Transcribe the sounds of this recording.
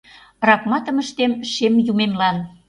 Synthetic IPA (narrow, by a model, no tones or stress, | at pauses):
rɑkmɑt̪əməʃt̪emʃemjumemlɑn